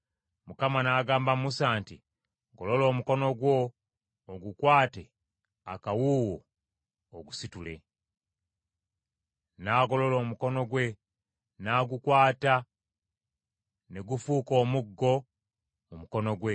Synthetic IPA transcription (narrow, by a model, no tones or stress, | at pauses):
mukamanaɡaːmbamusaːnti | ɡolo̞lo̞ːmuko̞no̞ɡwo̞ː | ɡukwaːte̞ | akawuːwoː | ɡusitule̞̰ | naːɡo̞lo̞lo̞ːmuko̞no̞ɡwe̞ | naɡukwaːta | ne̞ɡufuːko̞ːmuɡːo̞ | mumuko̞no̞ɡwe̞